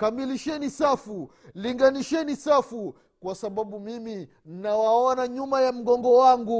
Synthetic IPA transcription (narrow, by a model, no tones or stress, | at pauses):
kamiliʃɛnisafu | liŋɡaniʃɛnisafu | kwasaɓaɓumimi | n̩nawaɔnaɲumajam̩ɡɔŋɡɔwaŋɡu